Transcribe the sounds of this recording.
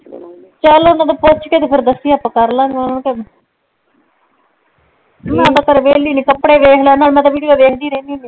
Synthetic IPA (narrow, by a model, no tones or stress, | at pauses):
t͡ʃəlõnaːt̪apot͡ʃkeːt̪epʰɪɾd̪əsːiaːpːãːkəɾlãːŋɡãnːnke | mɛ̃t̪ãːkəɾʋeːliːnĩːkəpːɽeːʋeːkʰlãːnaːlmɛ̃ːt̪aːʋiːɽiɡaːʋeːkʰd̪iːɾẽːnd̪iːniː